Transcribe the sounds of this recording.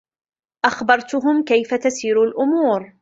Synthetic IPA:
ʔaxbɑɾˤt̪ʊɦʊmkajfat̪asiːɾalʔʊmuːɾ

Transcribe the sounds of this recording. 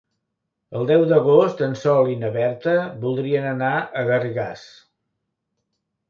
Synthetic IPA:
əlˠd̪ɛwd̪əɣ̞ost̪ənsɔlˠinəβɛɾt̪əβulˠd̪ɾiənənaʔəɣəriɣas

